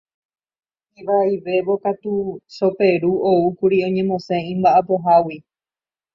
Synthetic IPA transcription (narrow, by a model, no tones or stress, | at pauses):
iʋaiʋe̞βo̞kat̪uʃo̞pe̞ɾuoukuɾiõ̞ɲẽ̞mõ̞sẽĩmbaʔapo̞ɦawi